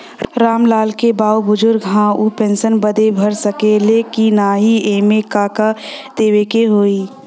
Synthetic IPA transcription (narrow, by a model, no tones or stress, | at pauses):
ɾaːmlaːlkebaːobʊd͡ʒʊɾɡɦãupẽnsənbəd̪ebʱɐɾsəkeleːkinaːɦieːmẽkaːkad̪̥eːwekeɦoːiː